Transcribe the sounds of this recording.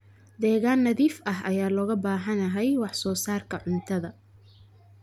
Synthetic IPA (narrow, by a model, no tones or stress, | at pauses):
d̪ɛːɣaːnːɐðiːfɐɦɐjaːlɔːɣɐbaːɦɐnɐɦɛjwɑħsɔːsaːrkʰɐʕʊnt̪ʰɐðɐ